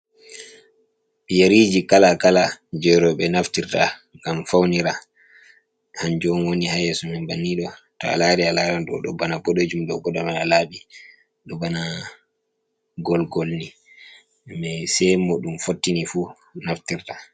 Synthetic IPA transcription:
ɓijaɾiːd͡ʒikalakalad͡ʒɛjɾɔɓɛnaftiɾtaŋɡamfawniɾa | hand͡ʒɔnwonihajɛsɔmɛnbanːiɗɔ | tɔ̰a̰laɾialaɾanɗɔ̰ɗɔbanabɔɗod͡ʒumɗɔɡɔɗɔmɛnalaɓi | ɗɔbana | ɡɔlɡɔlni | mɛsɛmoɗumfotːinifu | naftiɾta

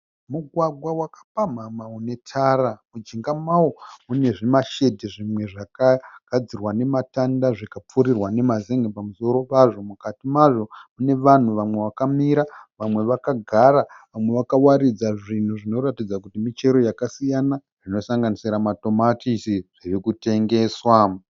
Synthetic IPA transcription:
muɡʱwaɡʱwawakḁpamamaune̞tʰaɾamud͡ʒiŋɡamawomune̞ʐimaʃe̞dʱiʐimwe̞ʐakaɡ̥ʱad͡zirwane̞matandaʐikap͡fuɾirwane̞mazeŋɡepamuso̞ɾo̞paʐo̞mukatimaʐo̞mune̞ʋan̤uʋamwe̞ʋakamiɾaʋamwe̞ʋakaɡʱaɾaʋamwe̞ʋakawaɾid͡zaʐin̤uʐino̞ɾatid͡zakutimit͡ʃe̞ɾo̞jakasijana | rino̞saŋɡanisiɾamato̞matisiʐ̥irikute̞ŋɡe̞ːswa

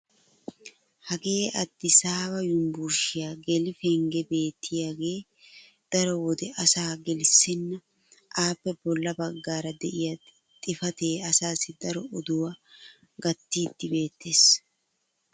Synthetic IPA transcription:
hɐɡe̞ːʔɐd̪ːɪsaːbɐjʊmbuɾʃɪjaːɡɛlɪfɛŋɡɛbe̞ːt̪ːɪjaːɡe̞ː | d̪̥ɐɾɔwɔd̪ɛʔɐsaːɡɛlɪsːɪnːɐ | ʔaːpːɛbɔlːɐbɐɡːaːɾɐd̪ɛʔɪjɐ | t̪ʼɪfɐt̪eːɐsaːsɪd̪ɐɾɔʔɔd̪ʊwa | ɡɐt̪ːiːd̪ːɪbe̞ːt̪ːe̞ːs

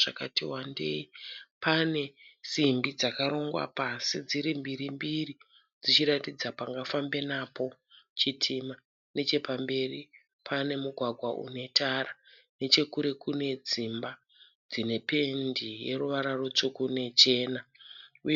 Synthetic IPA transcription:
ʐakatiwandḛipane̞simbid͡zakaɾo̞ŋɡwa̰pasid͡ziɾimbiɾimbiri | d͡zit͡ʃiɾatid͡zapaŋɡafambe̞napo̞ | t͡ʃitʰima | ne̞t͡ʃe̞pambe̞ri | pʰane̞muɡʱwaɡʱwaʔṵne̞tara | ne̞t͡ʃe̞kuɾe̞kune̞d͡zimba | d͡zine̞pe̞ndije̞ruʋaɾaro̞t͡ʂo̞kune̞t͡ʃe̞ːnau

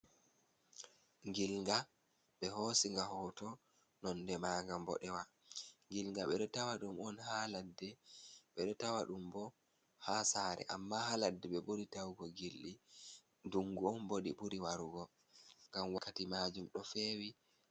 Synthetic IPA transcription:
ŋɡilŋɡa | ɓɛɦosiŋɡahɔtɔ | nɔndɛmaːɡambɔ̰ɗɛwa | ŋɡilŋɡaɓɛɗɔtawaɗumɔnhaladːɛɓɛɗɔtawaɗumbɔ | hasaːɾɛ̰ʔa̰mːahaladːɛɓɛɓuɾitawɡɔɡilːi | duŋɡuɔnboɗiɓuɾiwaɾuɡɔ | ŋɡamwakːatimad͡ʒumɗɔfeːwi

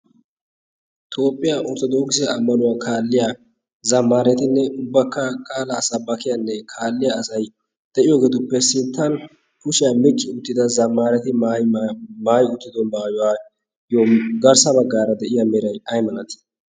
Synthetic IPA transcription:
t̪ʰo̞ːpʼːɪjaʔɔɾt̪ɔd̪o̞ːksɪjaɐmːɐnʊwaːkʰaːlːɪja | zɐmːaːɾɪjɐt̪ɪnːɛʊbːɐkːɐkʼaːlɐːsɐbɐkɪjɐnːɛkʰaːlːɪjaːsɐj | d̪̥ɛʔɪjoːɡeːt̪ʊpːɛsɪnt̪ːɐn | kʊʃɪjamɪt͡ʃʼːɪʊt̪ːɪd̪ɐzɐmːaːɾjɐt̪ɪ | maːjʊt̪ːɪd̪ɔnbɐjʊwaː | joːɡɐɾsɐbɐɡːaːɾɐd̪ɛʔɪjɐmɛɾɐjɐjmɐnɐt̪

